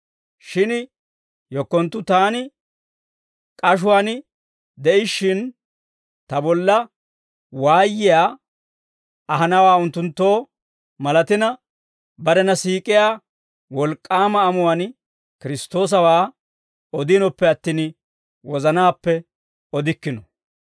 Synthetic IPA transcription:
ʃɪnɪ | jɔkːɔnt̪ːʊt̪aːnɪ | kʼɐʃ̬ʊwaːn | d̪ɛʔɪʃːɪn | t̪ɐbɔlːɐ | waːjːɪjaː | ɐɦɐnɐwaːʊnt̪ːʊnt̪ːo̞ː | mɐlɐt̪ɪnɐ | bɐd̪ɐnɐsiːkʼɪjaː | wɔlkʼːaːmɐːmʊwan | kɪɾɪst̪o̞ːs̬ɐwaː | ɔd̪ɪnɔpːɛɐt̪ːiːn | wɔzɐnaːpːɛ | ɔd̪ɪkːɪnɔ

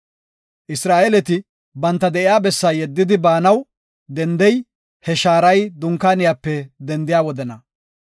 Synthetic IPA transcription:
ʔɪsɾaːʔelɛt̪ɪ | bɐnt̪ːɐd̪ɛʔɪjaːbɛsːaːjɛd̪ːɪd̪ɪbaːnɐw | d̪ɛnd̪ɛj | hɛʃaːɾɐjd̪ʊŋkːaːnɪjapːɛd̪ɛnd̪ɪjaːwɔd̪ɛnɐ

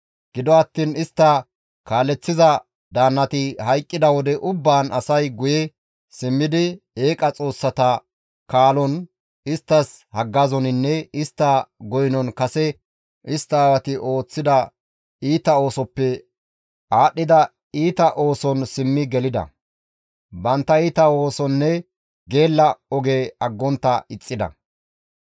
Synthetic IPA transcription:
ɡ̥ɪd̪ɔɐt̪ːiːnɪst̪ːɐ | kaːlːɛt͡sːɪzɐ | d̪aːnːɐt̪ɪhɐjkʼːɪd̪ɐwɔd̪ɛʔʊbːaːnɐsɐjɡʊjɛ | sɪmːɪd̪ɪe̞ːkʼɐt͡sʼo̞ːsːɐt̪ɐ | kaːlɔn | ɪst̪ːɐshɐɡːɐzɔnɪnːɛɪst̪ːɐɡɔjnɔnkɐsɛ | ʔɪst̪ːaːwɐt̪ɪʔo̞ːt͡sːɪd̪ɐ | iːt̪ɐo̞ːsɔpːɛ | aːɗːɪd̪ɐ | iːt̪ɐʔo̞ːsɔnsɪmːɪɡɛlɪd̪ɐ̰ | bɐnt̪ːɐiːt̪ɐo̞ːsɔnːɛ | ɡe̞ːlːɐɔɡeːɐɡːɔnt̪ːɐɪt͡sʼːɪd̪ɐ̰

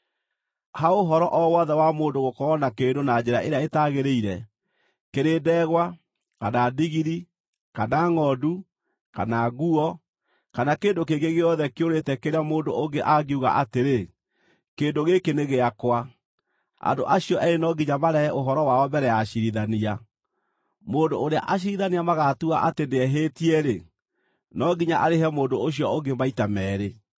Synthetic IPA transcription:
haoɦɔɾɔʔɔwɔðɛwamoːndoɣokɔɔnakeːndonad͡ʑeɾaeɾeaetaɣeɾeiɾɛ | keɾedɛɣwa | kanadiɣiɾi | kanaŋɔdu | kanaɣuɔ | kanakeːndokeɡeɣeɔðɛkeoɾetɛkeɾeamoːndooŋɡeʔaɣeuɣa̰ʔateɾe | keːndoɣekeneɣeakwa | a̰ndo̰ʔaɕiɔʔɛɾenɔɡiɲamaɾɛɛʔoɦɔɾɔwaɔbɛɾɛjaɕiɾiðania | moːndoːɾea̰ʔaɕ̬iɾiðaniamaɣatua̰ʔateneɛɦetiɛɾe | nɔɡiɲaʔaɾehɛmoːndooɕ̬iɔoɡemaitamɛːɾe

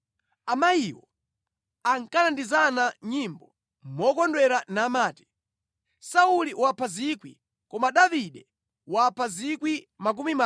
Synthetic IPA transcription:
amajiwɔ̰ | aŋkanandizanaɲimbɔ | mɔkɔndwɛɾanaːmaːti̥ | sauliwapʰazikwḭ | kɔmaɗaviɗɛ | wapʰazikwi | mak̬umima

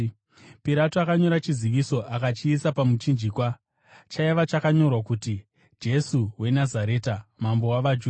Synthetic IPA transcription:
piɾatuakaɲo̞ɾat͡ʃiziʋiso̞ʔakat͡ʃiːsapamut͡ʃind͡ʒikwa | t͡ʃaiʋat͡ʃakaɲo̞rwakuti | d͡ʒe̞suwe̞nazaɾe̞ːtamambo̞waʋad͡ʒu

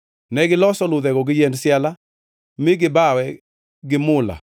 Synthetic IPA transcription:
nɛɡɪlɔsɔlʊd̪ɛɡɔɡɪjɛndsjala | mɪɡɪbawɛ | ɡɪmʊla̰

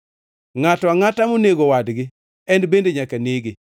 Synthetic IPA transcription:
ŋatɔwaŋatamoneɡowadɡɪ | ɛnbendeɲakaneɡɪ

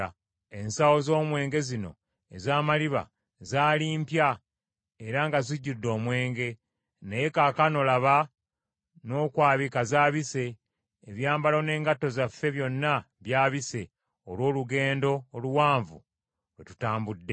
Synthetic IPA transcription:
e̞nsawo̞zo̞ːmwe̞ːŋɡe̞zino̞̰ | ḛzaːmaliβa̰ | zaːliːmpja | e̞ɾaŋɡaziɟːudːo̞ːmwe̞ːŋɡe̞ | neje̞kakano̞laβa | no̞ːkwaːβikazaːβise̞ː | βjaːmbalo̞ne̞ːŋɡatːo̞zafːe̞βjo̞nːa | βjaːβise̞ | olwo̞ːluɡe̞ːndo̞ːluwaːɱvṵ | lwetu̥taːmbudːe̞

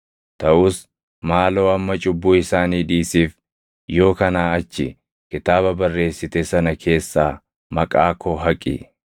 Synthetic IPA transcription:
t̪ɐʔʊs | maːlo̞ːɐmːɐt͡ʃʼʊbːuːɪsaːniːd̪iːsiːf | jo̞ːkɐnaːɐt͡ʃːɪ | kɪt̪aːbɐbɐrːe̞ːsːɪt̪eːsɐnɐkʰe̞ːsːaː | mɐkʼaːkʰɔɦɐkʼɪ̰

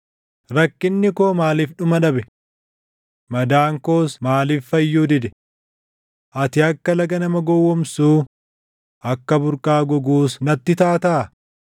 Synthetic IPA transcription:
ɾɐkːɪnːɪkoːmaːliːfᶑʊmɐᶑɐbɛ | mɐd̪aːŋkoːsmaːliːffɐjːuːd̪ɪd̪ɛ̥ | ʔɐt̪ɪɐkːɐlɐɡɐnɐmɐɡɔwːɔmsuː | ʔɐkːɐbʊɾkʼaːɡɔɡuːsnɐt̪ːɪt̪aːt̪ɐː

